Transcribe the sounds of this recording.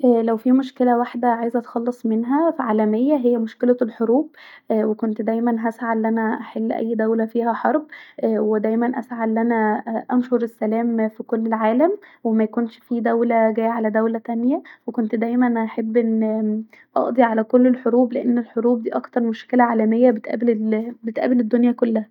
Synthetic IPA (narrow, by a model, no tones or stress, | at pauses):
ʔlæwfiːmoʃkelæwaħd̪æʕaːjezʔæt̪xɑlːesˤmenɦæfiʕaːlæmejːæɦejːæmoʃkelælħoɾuːb̚wekont̪d̪æjmænɦæsʕalːʔænæʔaħelːʔæ̰jːd̪æwlæfiːɦæħɑɾˤbwed̪æjmænʔæ̰sʕalːʔænæʔænʃoɾesːælæːmfikolːelʕaːlæmwemæjkonʃfiːd̪æwlæɡæːʕalæd̪æwlæt̪ænjæwekont̪d̪æjmænnʔaħebːʔenː | ʔɑ̰ʔd̪ˤiʕalækolːelħoɾuːbleʔenːelħoɾuːb̚d̪iːʔɑkt̪ɑɾˤmoʃkelæʕaːlæmejːæbet̪ʔæ̰ːblbet̪ʔæ̰ːbeled̪ːonjækolːæhæ